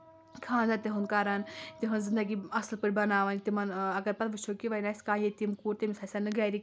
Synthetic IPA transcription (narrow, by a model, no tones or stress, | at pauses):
kʰãːnzat̪ʲeɦunkaɾant̪iɦɐnzɨnd̪ɐɡiːɐslpɨɾʲbɐnaːʋaːn̚ʲt̪ʲimɐnɐɡɐɾpɐt̪ʋɨʃʰokʲiʋajnasʲkãːjet̪imkuːɾt̪ʲimsaːsʲanɨɡaːɾi